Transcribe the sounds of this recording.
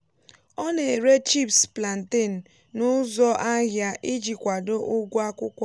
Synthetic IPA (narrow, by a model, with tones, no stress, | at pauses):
ɔ˦ne˨ɾe˦t͡ʃi˦˨pspla˨n̩˨te˦˨n̩˨ | nʊ˦zɔ˦ʔa˦ɦja˨ʔi˦d͡ʒi˨kʷa˨do˦ʔʊ˦ɡʷʊ˦a˦kʷʊ˦kʷa˦